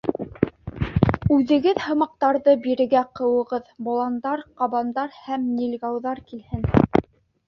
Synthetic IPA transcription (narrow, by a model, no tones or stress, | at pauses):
ʉðɘ̆ɡɘðhɤ̆mɑq̚t̪ɑɾðɤbiɾɘ̆ɡæqɤ̆wɤ̆ʁɤðbŏlˠɑnd̪ɑɾqɑβɑnd̪ɑɾhæmnʲilʲɡɑwðɑɾkilhɘn